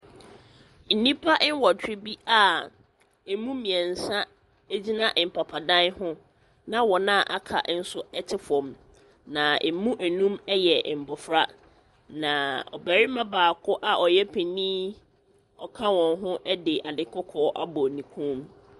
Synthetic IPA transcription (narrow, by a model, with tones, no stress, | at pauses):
n̩˨nĩ˦pʰa˦ʔn˦wɔ˨tʰᶣɾɪ˦bi˦a˦˨ | e˨mũ˦mĩ˨ɛ˨n̩˨sã˦ | æ˦d͡ʑi˦nã˦ʔm̩˨pʰa˨pʰa˨dã˦nhʊ̃˦ | nã˦wɔ˨nã˦˨ʔa̰˨kʰa̰˨ʔn̩˦sʊ˦ɛ˦tʰɪ˦fɔ̃˨m | nã˨e˨mũ˦ʔæ˨nũ˦mɛ˦jɛ˨m̩˨bɔ˨fɾa˦ | nã˨ɔ̰˨bæ˨ɾɪ˦mã˦baː˨kʰʊ˦ʔa˨ʔɔ˨jɛ˦pʰe˨nĩː˦ | ɔ˨kʰa˦wɔ̃˨nɦʊ̃˦ʔɛ˦dɪ˨ʔa˨dɪ˨kʰɔ˦kʰɔː˦ʔa̰˦bɔ˨nĩ˨kʰũ˦m